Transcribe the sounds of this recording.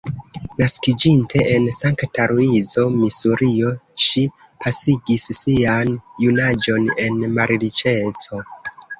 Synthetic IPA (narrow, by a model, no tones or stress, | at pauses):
naskid͡ʒintʰe̞ʔensaŋktaɾuizo̞misuɾio̞ʃi | pʰasiɡisːianjunad͡ʒo̞ne̞nmaɾɾit͡ʃe̞t͡so̞